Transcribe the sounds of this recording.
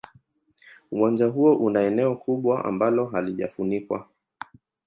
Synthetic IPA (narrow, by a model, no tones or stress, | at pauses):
uwand͡ʒaɦuɔʔunaɛnɛɔkʰuɓwaʔa̰mbalɔɦaliʄa̰funikwa̰